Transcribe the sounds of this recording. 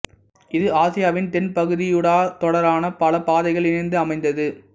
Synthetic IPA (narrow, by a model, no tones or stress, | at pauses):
ɪðɯaːsɪjaːʋɪnt̪ɛnpɐɣɯðɪjɯɽaːt̪ɔɽɐɾaːnɐpɐlɐpaːðɐɪɣɐɭɪnɐnd̪ɯɐmɐɪnd̪ɐðɯ